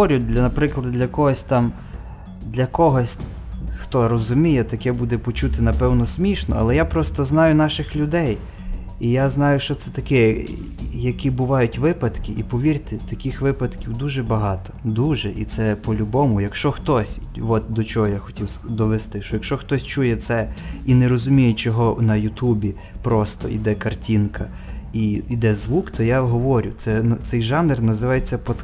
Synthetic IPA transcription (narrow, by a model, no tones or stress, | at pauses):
ɔɾʲʊd̪lʲɐnɐpɾɪklˠɐd̪d̪lʲɐkɔɦɔsʲt̪ɑm | d̪lʲɐkɔɦɔsʲ | xt̪ɔɾɔzʊmʲijɛt̪ɐkɛbud̪ɛpɔt͡ʃut̪ɪnɐpɛwnɔsʲmʲiʃnɔ̰ɐ̰lˠɛjapɾɔst̪ɔznɑjʊnɑʃɪxlʲʊd̪ɛj | ijaznɑjʊʃt͡ʃɔt̪sɛt̪ɐkɛ | jɐkʲibʊʋɑjʊtʲʋɪpɐd̪kɪʔipɔʋʲirʲt̪ɪt̪ɐkɪxʋɪpɐd̪kʲiwd̪uʒɛbɐɦɑt̪ɔ̥d̪uʒɛʔit̪sɛpɔlʲʊbɔmʊjɐkʃt͡ʃɔxt̪ɔsʲ | ʋɔt̪d̪ɔt͡ʃɔɦɔjaxɔ̥tʲiwsd̪ɔʋest̪ɪʃɔjɐkʃt͡ʃɔxt̪ɔsʲt͡ʃujɛt̪sɛineɾɔzʊmʲijet͡ʃɔɦɔnɐjʊt̪ubʲi | pɾɔst̪ɔ̰ʔḭd̪ɛkɐrtʲinkʰɐ | iid̪ɛzʋukt̪ɔjaɦɔʋɔɾʲʊt̪sɛnt̪sɛjʒɑnernɐzɪʋɑjet͡sʲːɐpɔt̪